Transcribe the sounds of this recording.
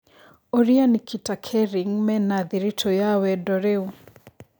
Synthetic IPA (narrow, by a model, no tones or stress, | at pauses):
ɔɾianikʰitakʰɛɾiŋmɛnaðiɾitʰɔjawɛdɔɾeu